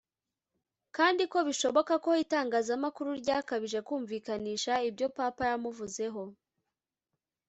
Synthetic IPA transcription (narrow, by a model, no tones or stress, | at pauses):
kaːndiko̞βiʃo̞βo̞kako̞itaːŋɡaːzamakuɾuɾɟaːkaβiʒe̞kuːɱviːkaniːʃaibjo̞papaɾamuvuze̞ɦo̞